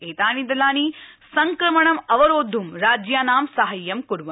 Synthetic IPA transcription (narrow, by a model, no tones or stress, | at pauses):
eːt̪aːnid̪ɐlaːnisɐŋkɾɐmɐɳɐmɐʋɐɾoːd̪ʱumɾaːd͡ʒjaːnaːmsɐɦɐjːɐmkuɾʋɐ